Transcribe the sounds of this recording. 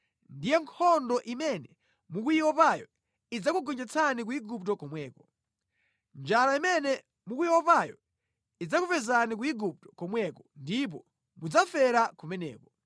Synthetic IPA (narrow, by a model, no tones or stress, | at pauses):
ndijɛŋkʰɔndɔʔimɛnɛ | mukuiwɔpajɔ̰ | id͡zakuɡɔnd͡ʒɛt͡sʰanik̬uiɡup̚tɔkɔmwɛːkɔ | nd͡ʒaɾaimɛnɛ | mukujiwɔpajɔ̰ | id͡zakupɛzanik̬uiɡup̚tɔ̥kɔmwɛkɔndip̬ɔ | mud͡zafɛɾakumɛnɛ̰ːkɔ